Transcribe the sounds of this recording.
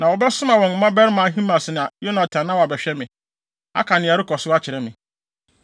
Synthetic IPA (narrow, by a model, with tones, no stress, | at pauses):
nã˨wɔ˨bɛ˦sʊ˦mã˨wɔ̃˨n˨mã˦bɛ˦ɾɪ˦mã˨˦ɦĩ˦mã˨sɪ˨ñ˨a˨jo˦nã˨tʰã˨nã˦wɔ˨a˨bɛ˨ɕᶣɛ˦mɪ̃˨ | a̰˦kʰa˨nɪ̃˨a˨ɾɪ˦kʰɔ˨sʊ˦a˦t͡ɕʰɪ˨ɾɛ˦mɪ̰̃˨